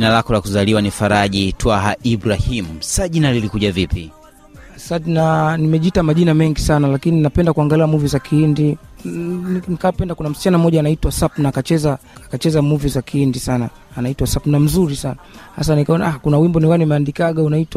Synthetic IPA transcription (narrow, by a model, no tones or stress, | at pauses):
inalakɔlakuzaliwanifaɾaʄitwaɦaʔibɾahimusaʄinalilikuʄavipḭ | sadnanimɛʄitamaʄinamɛŋɡisanalakininapɛndakuaŋɡaliamuvizakʰiindi | inikapɛndakunam̩si̥t͡ʃanamɔʄaːnaitwasapnaːkat͡ʃɛzaːkat͡ʃɛzamuvizakʰiindisanaː | naitwasapnam̩zuɾisanaha̰s̬anikaɔnaakunawimbɔniwanimɛandikaɠaunaitwa